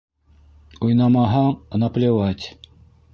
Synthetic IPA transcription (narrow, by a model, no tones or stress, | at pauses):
ujnɑmɑɦɑnɑplʲewat̪ʲ